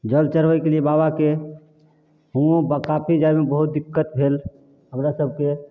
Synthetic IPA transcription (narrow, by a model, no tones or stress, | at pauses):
d͡ʒəlt͡ʃəɾbəkeliebabake | ɦũbəkapʰid͡ʒajmebəɦut̪̚d̪ikːət̪̚bʱel | ɦəmɾasəb̚ʱke